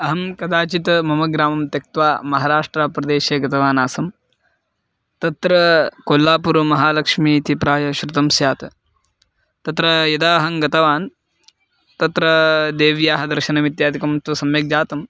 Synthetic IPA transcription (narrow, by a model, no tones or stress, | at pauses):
ɐɦɐmkɐd̪aːt͡ʃit̪mɐmɐɡɾaːmɐmt̪jɐk̚t̪ʋaːmɐɦaːɾaːʂʈɾapɾɐd̪eːʃeːɡɐt̪ɐʋaːnaːsɐm | t̪ɐt̪ɾɐkoːlːaːpuɾmɐɦaːlɐkʂmiːt̪ipɾaːjɐʃɾut̪ɐmsjaːt̪ɐ | t̪ɐt̪ɾɐjɐd̪aːɦɐŋɡɐt̪ɐʋaːn | t̪ɐt̪ɾɐd̪eːʋjaːɦɐd̪ɐɾʃɐnɐʋit̪jaːd̪ʱikɐmt̪usɐmjɐk̚d͡ʒaːt̪ɐm